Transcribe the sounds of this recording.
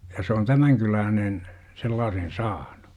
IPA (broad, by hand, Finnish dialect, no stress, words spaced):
se jɑ se on tæmæŋ kylæːnen selːɑːsen sɑːn̥u̥